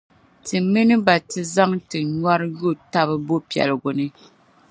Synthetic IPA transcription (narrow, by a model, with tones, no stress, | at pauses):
tɨ˨mɨ˦nɨ˦ba˨tɨ˨za˦ŋtɨ˨ɲwa˦ɾɨ˦ju˦˨ta˦βɨ˦bo˦pi˨ɛ̰˨lɨ˨ɡʊ˨nɨ˦